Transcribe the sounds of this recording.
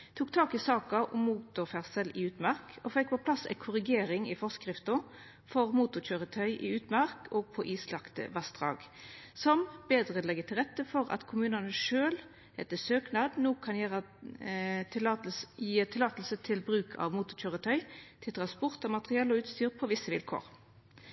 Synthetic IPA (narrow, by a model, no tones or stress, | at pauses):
t̪ʰuːkt̪ʰɑːkɪsɑːkɑʔʊmːuːt̪ʊʁfæʁsəlɪʉːt̪mæʁkɔfɛkːpʰɔpʰlɑsɛ̰ɪkʰʊʁɪɡeːɾɪŋɪfɔskʁɪft̪ɔ | fɔʁmuːt̪ʊçøːʁət̪ʰœʏʔɪ̰ʉːt̪mæʁkʰɔːɡ̚pʰɔʔiːslɑkt̪ə̰ʋɑsd̪ʁɑ̰ːɡsɔmbeːd̪ʁəlɛɡət̪ʰɪlʁɛt̪ːəfɔʁɑ̰t̪kʰʊmʉːnɑnəʂøːl | hɛt̪ːəsøːknɑːd̪noːkʰɑnjæːʁə | t̪ʰɪɑjiːt̪ʰɪlɑːt̪lsət̪ʰɪlbʁʉːkʰɑ̰ʋmuːt̪ʊçøːʁət̪ʰœʏt̪ʰɪlt̪ʰʁɑnspɔʁt̪ɑmɑt̪ʁɪɛːlːɔʉːt̪st̪yːʁpʰɔʋɪsːəʋɪlkʰo̰ːʁ